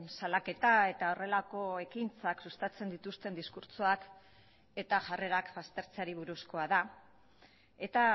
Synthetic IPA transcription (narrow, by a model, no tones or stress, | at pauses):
nsalake̞t̪ae̞t̪ao̞re̞lako̞e̞kint͡saksust̪at͡se̞nd̪it̪ust̪e̞nd̪iskuɾt͡soak | e̞t̪aʝare̞ɾakbast̪e̞ɾt͡saɾiβ̞uɾusko̞aða | e̞t̪a